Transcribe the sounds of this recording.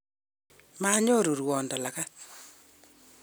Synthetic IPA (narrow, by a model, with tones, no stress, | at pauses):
maː˦ɲo˦ɾo˨ɾwɔː˨ndɔ˨la˨ka˦